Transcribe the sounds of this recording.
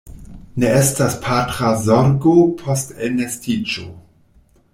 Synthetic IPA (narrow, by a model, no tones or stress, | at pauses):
neestaspʰatɾazoɾɡopʰostelnestit͡ʃo